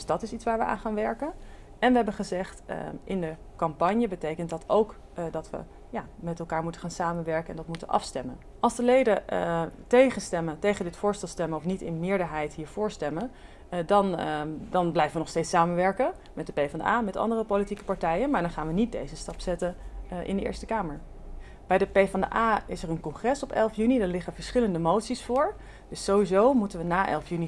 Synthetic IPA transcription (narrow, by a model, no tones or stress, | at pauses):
dsdɑtɪsitsʋaːɹʋəʔa̰ːnχaːnʋɛɹkən | ɛnʋəɦɛbənχəzɛχtʔɪndə | kɑmpɑɲjəbətejkəntdɑtʰowk | dɑtʋə̰ | jaːmɛtɛlˠkaːɹmutəχaːnsaːmənʋɛɹkəɛ̰ndɑtmutənʔɑ̰fstɛmən | ʔɑlˠzdəlejdə | tejχənstɛməntejχəndɪtfʊːɹstɛlˠstɛmənɔfnitɪ̰nmɪːɹdəɹɦɛjtɦiːɹv̥ʊːɹstɛmən | dɑndɑnblɛjvəʋənɔχstejtsaːmənʋɛɹkən | mɛt̚dəpejvɑndə̰aːmɛtɑ̰ndərəpowlitikə̥pɑɹtɛjənmaːɹdɑnχaːnʋənit̚dḛjzəstɑpsɛtənʔɪ̰ndəʔɪ̰ːɹstəkaːməɹ | b̥ɛjdəpejfɑndəʔaːɪsəɹənkɔŋχrɛsɔpɛlˠfjynidaːɹlɪχəvəɹsχɪləndəmowtsisfʊːɹ | d̥ɵsowʋizowmutənʋənaːʔɛ̰lˠfjyni